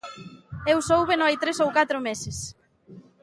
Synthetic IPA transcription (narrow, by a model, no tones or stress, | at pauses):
ewsowβenoajt̪ɾesowkat̪ɾʊmesɪs